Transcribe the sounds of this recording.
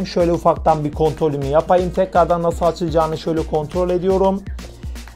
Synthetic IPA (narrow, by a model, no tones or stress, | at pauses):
mʃø̞jlʲɛufak̚t̪anbiɾkʰo̞nt̪ɾo̞lʲynyjapajɯmt̪ʰɛcɾaɾd̪anːasɯlˠat͡ʃʰɯlˠd͡ʒaːnɯʃø̞jlʲɛkʰo̞nt̪ɾo̞lʲe̞d̪ijo̞ɾum